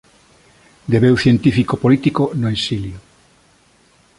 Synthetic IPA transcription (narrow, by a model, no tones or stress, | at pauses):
d̪eβewθjent̪ifikopolit̪ikonoesiljo